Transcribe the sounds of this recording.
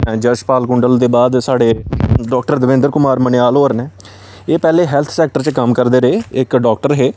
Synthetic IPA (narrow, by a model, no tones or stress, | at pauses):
ɛ̃ːd͡ʒəʃpaːlkʊɳɖəld̪eːbaːd̪saːɖeːɖɔːkʈəɾd̪əʋɪ̃nd̪əɾkʊmaːɾmənɪjaːlɦoːɾneː | eːpɛːleːɦɛːlt̪ʰsɛːk̚ʈəɾt͡ʃkəmkəɾd̪eːɾeːɪkɖɔːk̚ʈəɾɦeː